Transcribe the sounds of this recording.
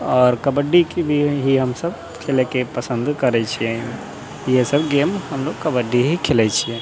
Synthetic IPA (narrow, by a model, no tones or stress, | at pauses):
ɔːɾkəbəɖːikibʱiɦiɦəmsəb | kʰelekepəsə̃nd̪kəɾɛt͡ʃʰiɛ | jesəbɡemhəmloɡ̚kəbəɖːiɦikʰelɛt͡ʃʰiɛ̃